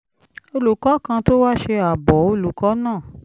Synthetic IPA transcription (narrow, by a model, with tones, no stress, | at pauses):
o˧lu˨kɔ˨˦kã˧to˦wa˦ʃe˧a˨bɔ˨˦o˧lu˨kɔ˨˦nãː˦˨